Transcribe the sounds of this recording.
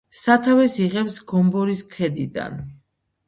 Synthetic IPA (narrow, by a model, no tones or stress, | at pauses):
sat̪ʰavɛsiʁɛpsɡɔmbɔɾiskʰɛd̪id̪a̰n